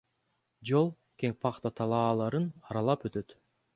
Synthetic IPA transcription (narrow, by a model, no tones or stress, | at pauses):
d͡ʒolˠ | keŋpʰɑqt̪ɑt̪ʰɑlˠɑːlˠɑɾɯnɑɾɑlˠɑpøt̪ø̞t̪